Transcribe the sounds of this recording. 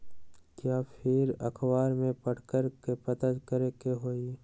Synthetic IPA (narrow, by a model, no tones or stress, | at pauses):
kjaːpʰɪɾɐ̰kʰbaːɾmẽpəʈʰkəɾkepɐt̪ət̪kəɾekeɦoːi